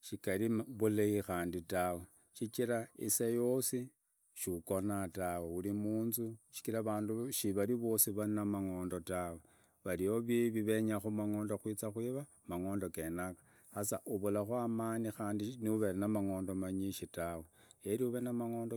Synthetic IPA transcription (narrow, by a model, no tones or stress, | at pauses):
ʃikaliβuleixaːnditawe | ʃit͡ʃiɾaḭsajo̞si | ʃuko̞nataweulimuːnzuʃi̥kiɾaβaːnduʃiβaɾiβo̞siβainamaŋo̞ːndo̞tawe | βalijoβiβiβe̞ɲaxumaŋo̞ːndo̞xwiːt͡saxwiːβa | maŋo̞ːndo̞ke̞nakḁ | xasaʔuβulaxwamaːnixaːndiniuβeɾinamaŋo̞ːndomaɲiʃitawejeɾiuβenamaŋo̞ːndo